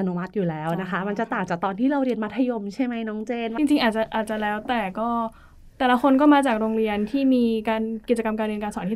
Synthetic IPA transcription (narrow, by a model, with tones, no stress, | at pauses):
a˧nu˧˥ma˦˥t̪̚juː˨˩lɛː˦˥wna˦˥kʰa˦˥ma˧nt͡ɕa˨˩t̪aː˨˩ŋt͡ɕaː˨˩k̚t̪ɔː˧nt̪ʰiː˥˩ɾa˧wɾi˧ənma˦˥t̪ʰːa˧jo˧mt͡ɕʰa˥˩jma˦˥jnɔː˦˥ŋt͡ɕeː˧nt͡ɕi˧ŋt͡ɕi˧ŋʔaː˨˩t̪̚t͡ɕa˨˩ʔaː˨˩t̪̚t͡ɕa˨˩lɛː˦˥wt̪ɛː˨˩kɔː˥˩ | t̪ɛː˨˩la˦˥kʰo˧nkɔː˥˩maː˧t͡ɕaː˨˩k̚ɾoː˧ŋɾi˧ənt̪ʰiː˥˩miː˧kaː˧nki˨˩t͡ɕa˧ka˧mka˧nɾi˧ənkaː˧nsɔː˩˦t̪ʰi˥˩